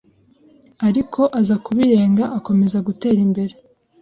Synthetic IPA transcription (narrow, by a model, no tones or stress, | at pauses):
aɾikʰo̞ʔazakuβiɾe̞ːŋɡaʔako̞me̞zaɡute̞ːɾimbe̞ɾe̞